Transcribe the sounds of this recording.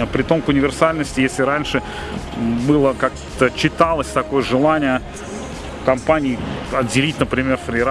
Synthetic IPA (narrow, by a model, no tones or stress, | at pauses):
əpɾʲɪt̪o̞mkʊnʲɪvʲɪrsalʲnəsʲtʲɪjesʲlʲɪɾanʲʂɨ | bɨlˠəkak | t̪ət͡ɕːɪt̪alˠəsʲt̪ɐko̞jəʐɨlˠanʲɪjə | kɐmpanʲɪːɐdʲɪlʲit̚ʲnəpɾʲɪmʲe̞rfɾʲɪɾ